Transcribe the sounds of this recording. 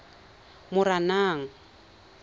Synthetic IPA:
mʊɾanaːŋ̩

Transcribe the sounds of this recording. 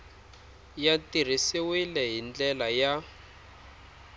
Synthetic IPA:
jatir̤isiwilɛɦind͡ɮɛlaja

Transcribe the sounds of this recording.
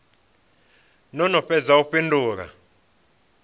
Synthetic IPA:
nɔnɔɸɛzauɸindʱʼuːk̬a̰

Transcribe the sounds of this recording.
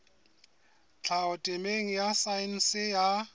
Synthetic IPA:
t͡ɬʰaʊtʼɪmeŋ̩jasaɪn̩sɪja

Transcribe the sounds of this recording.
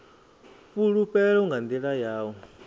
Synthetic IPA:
puɺupɛɺɔŋɡand̪iɺajaːwɔ

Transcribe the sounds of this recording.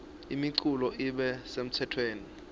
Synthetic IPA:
ḭmiǀulɔʔiɓɛsem̩tʰɛtʰweːni

